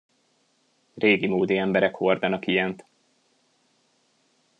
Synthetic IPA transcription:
reːɡimoːd̪iɛmbɛɾɛkho̞rd̪ɒnɒkijɛnt̪

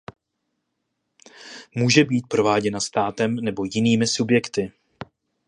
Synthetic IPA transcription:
muːʒɛbiːt̪̚pɾo̞vaːɟɛnast̪aːt̪ɛmnɛbo̞jɪniːmɪsubjɛkt̪ɪ

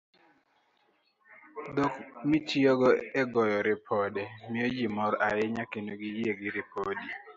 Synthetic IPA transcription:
d̪okmitiɔɡɔeɡɔjɔɾɪpʰɔdɛmɪjod͡ʒimɔɾaɪɲakendoɡijeɡɪɾɪpodi

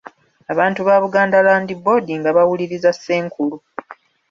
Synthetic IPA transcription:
aβaːntuβaːβuɡaːndalaːndibo̞diŋɡaβawuliɾizasːe̞ːŋkʰulu

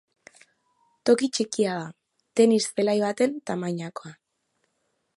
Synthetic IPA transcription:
t̪o̞kit͡ʃikiaða | t̪e̞nisθelajβat̪e̞nt̪amajɲako̞a

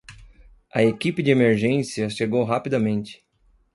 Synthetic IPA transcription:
ɐ̰ekipɪd͡ʒɪemeɾʒẽsiɐʃeɡowɦapid̪ɐmẽnt͡ʃɪ̥

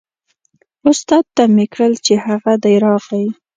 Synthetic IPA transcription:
ʊst̪ɑd̪̚t̪amekɽəlt͡ʃehaɣad̪əɾɑɣaji

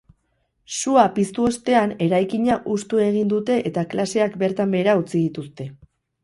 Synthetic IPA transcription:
suapist̪uo̞st̪e̞ane̞ɾajkiɲaʔust̪ue̞ɣ̞ind̪ut̪e̞ʔet̪aklase̞akbe̞ɾt̪ambe̞ɾaut͡siðit̪ust̪e̞

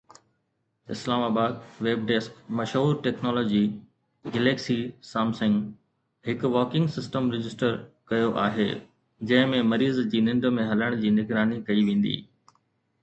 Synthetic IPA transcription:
ɪ̰slaːmaːbaːd̪̚ʋeːb̚ɖeskmɐʃɦuːɾʈɛːknɔːlɔːd͡ʑi | ɡeleːksisaːmsə̃ŋɡ | ɦɪkʊʋɔːkɪ̃ŋɡsɪsʈəmɾɪd͡ʑɪsʈəɾkɐjoʔa̰ːɦeː | d͡ʑɐ̃ɦɪ̃mẽmɐɾiːzd͡ʑiːnɪ̃nd̪̆mẽɦɐləɽ̃d͡ʑiːnɪɡɾaːnikɐiʋẽːn̆d̪ḭː

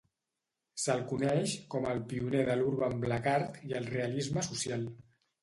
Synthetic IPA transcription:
səlˠkunɛʃkɔməlˠpiuneðəluɾβəmbləkaɾt̪iəlˠreəlizməsusjalˠ

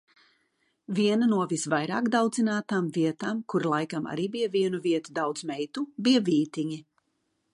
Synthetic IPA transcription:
viɛnanuɔvisvajɾaːkd̪awd̪zinaːt̪aːmviɛt̪aːmkuɾlˠajkama̰ɾiːbijaviɛnuviɛt̪ud̪awd̪z̥mɛjt̪ubijaviːt̪iɲi

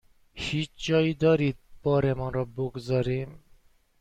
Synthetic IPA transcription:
ʃit͡ʃɔjd̪ɔɾit̪̚pɔɾemɔɾɔbokzɔɾim

